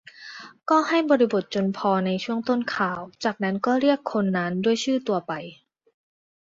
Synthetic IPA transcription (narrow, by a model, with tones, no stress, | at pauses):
kɔː˥˩ha˥˩jbɔː˧ɾi˦˥bo˨˩t̪̚t͡ɕo˧npʰɔː˧na˧jt͡ɕʰu˥˩əŋt̪o˥˩nkʰaː˨˩wt͡ɕaː˨˩k̚na˦˥nkɔː˥˩ɾi˥˩əkʰːo˧nːa˦˥ndu˥˩əjt͡ɕʰɯː˥˩t̪u˧ɐpa˧j